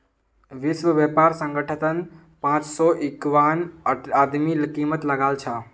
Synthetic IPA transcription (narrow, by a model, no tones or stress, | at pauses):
ʋisʋəbjepaɾsə̃ŋɡəʈʰət̪ən | pãt͡ʃsɔʔikʋanad̪milkimət̪ləɡalt͡ʃʰə